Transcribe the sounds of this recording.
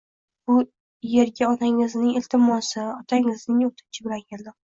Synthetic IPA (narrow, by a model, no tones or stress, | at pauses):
b̥ʊ | je̞ɾɡʲaɒnaŋɪznɪŋɪlt̪ʰɪmɒsɪɒt̪ʰaŋɪznɪŋot̪ʰɪ̥nt͡ʃʰɪbɪlankʰʲeld̪ɪ